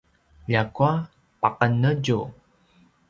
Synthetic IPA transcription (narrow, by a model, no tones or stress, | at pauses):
ʎakua | paqənəɟu